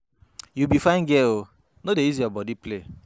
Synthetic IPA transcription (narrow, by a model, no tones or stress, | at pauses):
jubifãɪ̃nɡeo | nodeiziɔbɔdiple